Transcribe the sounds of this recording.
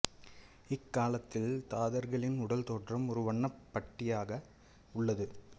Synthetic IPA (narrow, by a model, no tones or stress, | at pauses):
ɪkːaːlɐt̪ːɪlt̪aːðɐɾɣɐɭɪnʊɽɐlt̪oːʈrɐmɔɾɯʋɐɳːɐpːɐʈːɪjaːɣɐ | ʊɭːɐðɯ